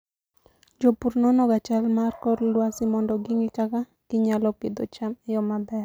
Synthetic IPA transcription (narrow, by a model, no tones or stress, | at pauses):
d͡ʒopuɾnɔnɔɡat͡ʃalmarkɔrlwasɪmɔndɔɡɪŋit͡ʃaka | kɪɲalɔked̪o̰t͡ʃamɪjɔmabɛr